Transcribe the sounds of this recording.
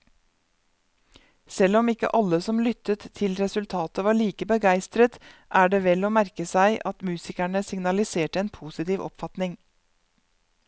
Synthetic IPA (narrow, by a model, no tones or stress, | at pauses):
sɛlɔmɪkə̰ʔɑləsɔmlʏt̪ət̪ʰːɪlɾɛsʉlt̪ʰɑːt̪əʋɑːɭiːkəbəɡæɪst̪ɾət̪ʔæːɖeːʋɛloːmæɾkəsæɪʔɑt̪mʉːsɪkæɳəsɪŋnɑlɪseːʈəeːnpʰuːsɪt̪iːʋɔ̰pfɑt̪nɪŋ